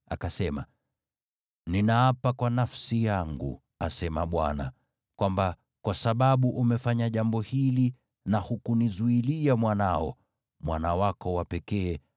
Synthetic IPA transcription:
akasɛma̰ | ninaapakwanafsijaŋɡṵ | asɛma̰ɓwa̰na̰ | kwamba | kwasaɓaɓuʔumɛfaɲaʄambɔhili | nahukunizuiliamwanaɔ̰ | mwanawakɔwapɛkɛː

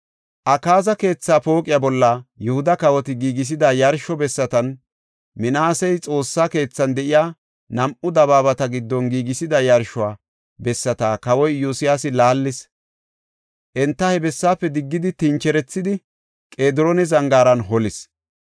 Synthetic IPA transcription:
ʔɐkaːzɐke̞ːt͡sːaːpo̞ːkʼɪjabɔlːɐjʊhʊd̪ɐkɐwɔt̪ɪɡiːɡɪs̬ɪd̪ɐjɐɾʃɔbɛsːɐt̪ɐn | mɪnaːsɛjt͡sʼo̞ːsːaːke̞ːt͡sːɐnd̪ɛʔɪjaː | nɐmʔʊd̪ɐβaːbɐt̪ɐɡɪd̪ːɔnɡiːɡɪsɪd̪ɐjɐɾʃʊaː | bɛsːɐt̪aːkɐwɔjːjʊsɪjasɪlaːlːɪs | ʔɛnt̪ːɐhɛbɛsːaːpːɛd̪ɪɡːɪd̪ɪt̪ɪnt͡ʃɛɾɛt͡sːɪd̪ɪ | kʼe̞ːd̪ɾonɛzɐŋɡaːɾɐnɦɔlɪs

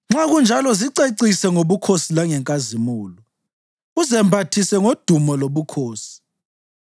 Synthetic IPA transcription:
ŋ͡ǁaɣund͡ʒʱalɔziǀeǀisɛŋoβukʰosilaŋɛŋkʼazimuːlɔ | uzɛmbʱatʰisɛŋod̥ʱumɔloβukʰoːsi̥

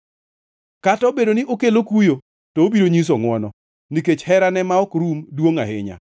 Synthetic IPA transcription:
katɔbedonɪʔokelokujo | tɔːbiɾoɲis̬oŋwɔnɔ | niket͡ʃhɛɾanɛmaɔkɾumdwoŋa̰hɪ̰ɲa̰

